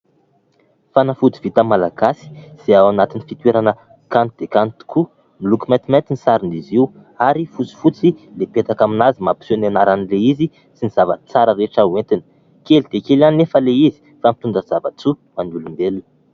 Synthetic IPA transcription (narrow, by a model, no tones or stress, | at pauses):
fanafud͡z̪i̥v̥it̪əmalaɡ̥asi̥z̥eawanat̪inifit̪weɾanə | kant̪ud̪̥ekant̪u̥ku | milukimant̪imaj̪t̪inisaɾiniziu | aɾifut͡si̥fut͡silepet̪akaminazimapi̥sonanaɾanileizi | siniz̥avə̰t͡saɾəɾeʈ͡ʂawent̪inə̥ | kelid̪ekelanefəleizi̥ | famit̪und̪əz̥avat͡sumanulumbeluni̥